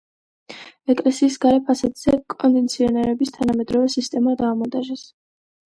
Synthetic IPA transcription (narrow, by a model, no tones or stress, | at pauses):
ɛkʼlɛsiːsɡaɾɛpʰasad̪z̥ɛkʼɔnd̪ɛnt̪sʰiɔnɛɾɛbist̪ʰanamɛd̪ɾɔvɛsist̪ʼɛmad̪aːmɔd̪aʒɛs